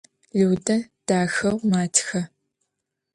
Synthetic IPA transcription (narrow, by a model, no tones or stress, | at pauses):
ɮɨwdɐd̥aːxɐʁʷmaːtʰxɐ